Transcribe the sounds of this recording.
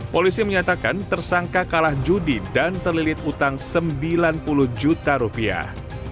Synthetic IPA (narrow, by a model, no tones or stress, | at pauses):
polisiməɲat̪aka̰nt̪ərsaŋkakalahd͡ʒudidant̪ərlilɪt̪̚ut̪aŋsəmbilanpulʊhd͡ʒut̪aɾupia̰h